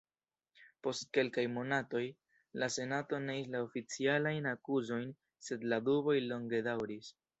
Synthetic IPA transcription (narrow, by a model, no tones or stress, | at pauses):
po̞st̚ke̞lkajmo̞nato̞j | lase̞nato̞ne̞islaofit͡sialajnakuzo̞jn | se̞dladubo̞jlo̞ŋɡe̞dawɾis